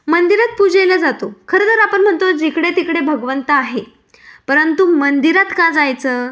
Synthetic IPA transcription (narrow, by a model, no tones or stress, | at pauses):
mənd̪iɾat̪̚pud͡ʑajləd͡zat̪okʰəɾət̪əɾapəɳm̤əɳt̪od͡ʑekɽet̪ikɽebʱəɡʋənt̪əaɦe | pəɾənt̪umənd̪iɾat̪kad͡zajt͡səː